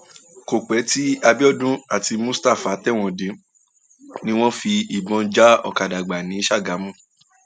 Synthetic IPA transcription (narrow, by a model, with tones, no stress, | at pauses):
ko˨k͡pɛ˨˦ti˦a˧bi˦ɔ˦˨dũ˦a˦˨ti˧mũ˦sta˦˨fa˨˦tɛ˦˨w̃ɔ̃˧dĩ˨˧˦ | nĩ˦w̃ɔ̃˦fi˧i˨bɔ̃˧˦d͡ʒa˦ɔ̰˦˨ka˨da˨ɡ͡ba˨nĩ˨˦ʃa˦˨ɡa˨˦mũ˦˨